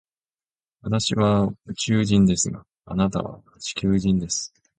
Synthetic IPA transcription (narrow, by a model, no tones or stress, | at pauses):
βat̪aɕiβaɯt͡ɕɨːʑĩnd̪e̞sɨɡa | a̰nat̪a̰βa̰ | t͡ɕi̥kʲɨːʑĩnd̪e̞sɨ̥